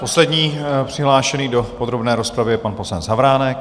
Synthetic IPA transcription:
po̞slɛdɲiːpr̝̥ɪɦlaːʃɛniːdopo̞d̪ɾo̞bnɛːɾo̞spɾavɪjɛpanposlɛnt̪zavɾaːnɛk̚

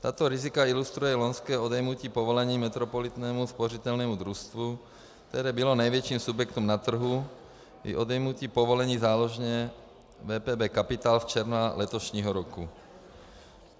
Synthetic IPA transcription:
t̪aːt̪ɔɾizikailust̪ɾujɛlɔnskɛːɔd̪ɛjmuciːpɔʋɔlɛɲiːmɛt̪ɾɔpɔlit̪nɛːmuspɔrit̪ɛlnɛːmud̪ɾust̪ʋu | kt̪ɛɾɛːbilɔnajʋjɛt͡ʃiːmsubjɛkt̪umnat̪r̩ɦu | ḭʔɔd̪ɛjmuc̪iːpɔʋɔlɛɲiːzaːlɔʒɲɛ | ʋɛːpɛːbɛːkapit̪aːlft͡ʃɛɾnalɛt̪ɔʃɲiːɦɔɾɔku

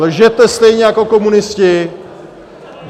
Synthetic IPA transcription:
lʒɛt̪ɛst̪ɛjɲɛjako̞ko̞munɪscɪ

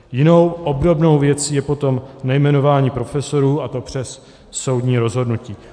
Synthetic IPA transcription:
jɪno̞wʔobdo̞bno̞wvjɛt͡siːjɛpo̞t̪o̞mnajmɛno̞vaːɲiːpɾo̞fɛso̞ɾuːat̪o̞pr̝̥ɛsː | o̞wdɲiːɾo̞zɦo̞dnuciː

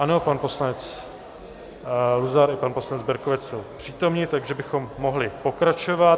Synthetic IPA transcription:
ʔano̞panpo̞slanɛt͡s | luzaɾɪpanposlanɛd͡zbɛɾkovɛt͡sso̞wpr̝̥iːt̪o̞mɲit̪aɡʒɛbɪxo̞mːo̞ɦlɪpo̞kɾat͡ʃo̞va

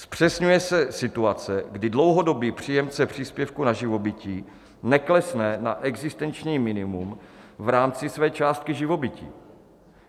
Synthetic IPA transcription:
spr̝̥ɛsɲujɛsɛsɪt̪uat͡sɛɡdɪdlo̞wɦo̞do̞biːpr̝̥iːjɛmt͡sɛpr̝̥iːspjɛfkunaʒɪvo̞bɪciː | nɛklɛsnɛnaʔɛɡzɪst̪ɛnt͡ʃɲiːmɪnɪmumvɾaːmt͡sɪsvɛːt͡ʃaːst̪̚kɪʒɪvo̞bɪcḭː

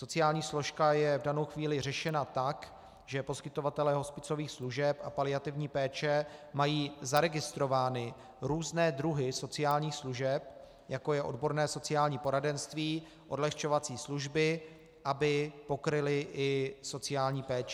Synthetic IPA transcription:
so̞t͡sɪjaːlɲiːslo̞ʃkajɛvdano̞wxviːlɪr̝ɛʃɛnat̪ak | ʒ̥ɛpo̞skɪt̪o̞vat̪ɛlɛːɦo̞spɪt͡so̞viːxsluʒɛpapalɪat̪ɪvɲiːpɛːt͡ʃɛmajiːzaɾɛɡɪst̪ɾo̞vaːnɪ | ɾuːznɛːd̪ɾuɦɪso̞t͡sɪjaːlɲiːxsluʒɛp̚ | jako̞jɛʔo̞dbo̞ɾnɛːso̞t͡sɪjaːlɲiːpo̞ɾadɛnst̪viː | ʔo̞dlɛxt͡ʃo̞vat͡siːsluʒbɪ | ʔabɪpo̞kɾɪlɪʔɪso̞t͡sɪjaːlɲiːpɛːt͡ʃɛ

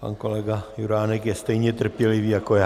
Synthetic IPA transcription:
pa̰nkolɛɡajuɾaːnɛkjɛst̪ɛjɲɛt̪r̩pjɛliviːjakoja

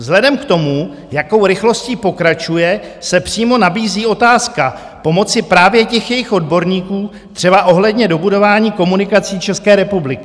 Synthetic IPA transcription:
zɦlɛdɛmkt̪o̞mu | jako̞wɾɪxlo̞sciːpo̞kɾat͡ʃujɛsɛpr̝̥iːmo̞nabiːziːo̞t̪aːska | po̞mo̞t͡sɪpɾaːvjɛcɛxjɛjɪxʔo̞dbo̞ɾɲiːkuː | t̪r̥ɛbaʔo̞ɦlɛdɲɛdo̞budo̞vaːɲiːko̞munɪkat͡siːt͡ʃɛskɛːɾɛpublɪkɪ

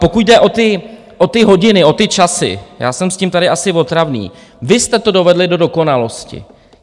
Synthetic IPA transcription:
pokuɟdɛʔo̞t̪ɪ | ʔo̞t̪ɪɦo̞ɟɪnɪʔo̞t̪ɪt͡ʃasɪ̰ja̰ːsɛmsciːmt̪adɪʔasɪvo̞t̪ɾavnḭː | vɪst̪ɛt̪o̞do̞vɛdlɪdo̞do̞ko̞nalo̞scɪ̰

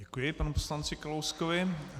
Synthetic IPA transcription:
ɛkujɪpanuposlant͡sɪkalowskovɪ

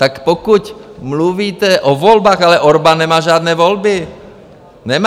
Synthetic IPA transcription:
t̪akpokucmluviːt̪ɛʔovolbaːxalɛʔoɾbanːɛmaːʒaːd̪nɛːvolbɪ | nɛma

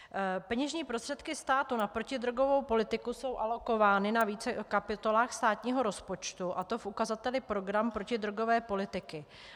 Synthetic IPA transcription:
pɛɲɛʒɲiːpɾo̞st̪r̥ɛt̪kɪst̪aːt̪unapɾo̞cɪd̪ɾoɡo̞vo̞wpo̞lɪt̪ɪkuso̞wʔalo̞ko̞vaːnɪnaviːt͡sɛkapɪt̪o̞laːxst̪aːt̪ɲiːɦo̞ɾo̞spo̞t͡ʃt̪uʔat̪o̞fʔukazat̪ɛlɪpɾo̞ɡɾampɾo̞cɪd̪ɾoɡo̞vɛːpo̞lɪt̪ɪkɪ

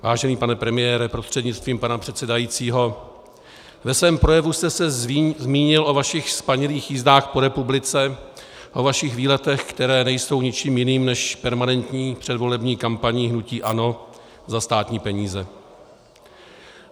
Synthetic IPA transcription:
vaːʒɛniːpanɛpɾɛmɪjɛːɾɛpɾo̞st̪r̝̥ɛdɲɪt͡st̪viːmpanapr̝̥ɛt̪sɛdajiːt͡siːɦo̞ | vɛsvɛːmpɾojɛvust̪ɛsɛzmiːɲɪlʔo̞vaʃɪxspaɲɛliːxjiːzdaːxpo̞ɾɛpublɪt͡sɛ | ʔo̞vaʃɪxviːlɛt̪ɛxkt̪ɛɾɛːnɛjso̞wɲɪt͡ʃiːmjɪniːmnɛʃpɛɾmanɛnt̪ɲiːpr̝̥ɛdvo̞lɛbɲiːkampaɲɪɦnuciːʔano̞ | zast̪aːt̪ɲiːpɛɲiːzɛ

